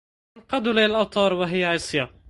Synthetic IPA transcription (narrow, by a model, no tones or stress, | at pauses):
nqɑd̪ulaalʔɑwt̪ˤɑːɾˤwaɦɪjːaʕiːsˤja